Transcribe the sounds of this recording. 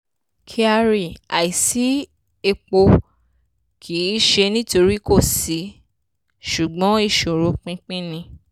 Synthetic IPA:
kʰi˦˧a˧ɾi˨a˨i˨si˨˦ | e˧k͡po˧ | kʰi˨˦i˦ʃe˧nĩ˦to˧ɾi˦ko˦˨si˨˦ | ʃu˨ɡ͡bɔ̃˨˦i˦˨ʃo˨ɾo˨˦k͡pĩ˦k͡pĩ˦nĩ˧

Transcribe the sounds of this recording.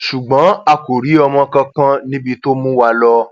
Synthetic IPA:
ʃu˨ɡ͡bã˨˦a˧ko˨ɾi˨˦ɔ˧mɔ̃˧kã˧kã˦nĩ˦bi˧to˦mũ˦wa˧lɔ˧

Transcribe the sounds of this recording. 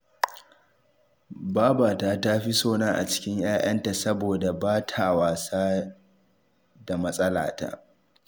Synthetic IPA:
baː˦baː˨taː˦ta˦ɸi˦soː˦naː˦ʔa̰˨t͡ʃɪ̥˦kʲɪ˦ɲj̰aː˦ʔɐ˦nta˨sɐ˦boː˨da˨baː˦tʰa˨waː˨saː˦ | da˨mɐ˦sʼɐ˦la̰ː˨ta̰˦ʔ

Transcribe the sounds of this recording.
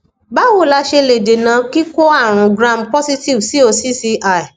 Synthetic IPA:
ba˨˦wo˦˨la˧ʃe˧le˨de˨nã˧ki˦ko˦a˦˨ɾ̃ũ˨˧ɡɾã˦˨mpɔ˦si˦ti˦˨vsi˨˦o˧si˦si˧ʔa˦˨i˨

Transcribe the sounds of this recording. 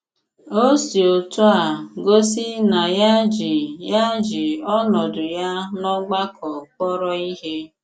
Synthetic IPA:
o˦si˨o˨tu˦a˨ɡo˦si˦na˨ja˦d͡ʒi˨ja˦d͡ʒi˨ɔ˦nɔ˨dʊ˨ja˦nɔ˦ɡ͡ba˦kʰɔ˨k͡pɔ˦ɾɔ˦i˦ɦe˦

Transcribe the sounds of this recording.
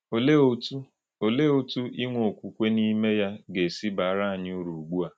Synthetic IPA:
o˨le˦o˦tu˦ | o˨le˦o˦tu˦ʔi˦ŋʷo˨kʷu˨kʷe˦ni˦me˦ja˦ɡe˨si˦ba˨a˦ɾa˦a˨ɲ˦u˦ɾu˨ɡ͡bu˦a˨

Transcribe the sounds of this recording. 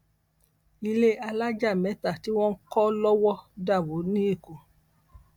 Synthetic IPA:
i˧le˦a˧la˦d͡ʒa˦˨mɛ̃˨˦ta˦˨ti˦w̃ɔ̃˦n̩˦kɔ˦lɔ˦wɔ˦da˦˨wo˨˦nĩ˦e˦˨ko˨

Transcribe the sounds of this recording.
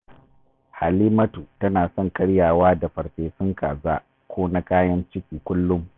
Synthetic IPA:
ha˨liː˦mɐ˦tu˨tɐ˦naː˨sɔ˦˨ŋkʼɐ˦ɽjaː˨waː˦da˨ɸɐ˨ɽɸeː˨ɸɪ˦ŋkaː˨zaː˦ | kʷoː˦na˦kaː˦jɐ˦nt͡ʃɪ˦kʲiː˨kʷʊ˦lːʊ˦m

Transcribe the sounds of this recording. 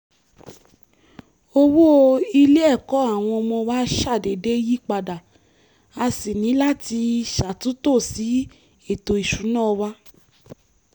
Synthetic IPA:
o˧wu˦o˧i˧le˦ɛ˦˨kɔ˨˦a˦˨w̃ɔ̃˧ɔ˧mɔ̃˧wa˦ʃa˦˨de˨de˦ji˦k͡pa˧da˨ | a˧si˨nĩ˨˦la˦ti˧ʃa˨tũ˨˦to˦˨si˨˦ | e˦˨to˨i˨ʃu˨˦nãː˦˧wa˦

